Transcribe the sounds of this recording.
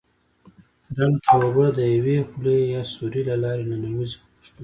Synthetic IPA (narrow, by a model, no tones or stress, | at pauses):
ɾalkawabəd̪əjawexulejɑsuɾilalɑɾenanamiz | ʃt̪u